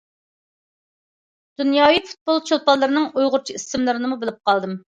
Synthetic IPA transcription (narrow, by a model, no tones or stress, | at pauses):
d̪̥unjɑːwifu̥t̪̚bolˠt͡ʃʰolˠpɑlˠːɨɾɨnɨŋujʁʊɾt͡ʃʰiisɪmlˠɨɾɨnɨmubɪlɪp̚qɑlˠd̪ɨm